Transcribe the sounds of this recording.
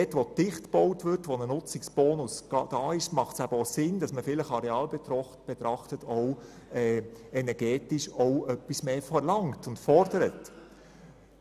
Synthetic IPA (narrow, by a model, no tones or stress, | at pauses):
ɛtʋotɪχtb̥ɔwtʋʏɾtʋonənʊt͡sɪksb̥ɔːnʊsɡ̥ɑd̥ɑːɪʃmɑχtsæbəɔsɪnd̥ɑsməfɪləχɑɾeɑːlbɛt̪ɾɔχb̥ɛt̪ɾɑχtətʰɔw | ɛːɛnɛɾɡ̥ɛːtɪʃɔʊœpːismeːfɛɾlɑŋtʊntfɔrdəɾət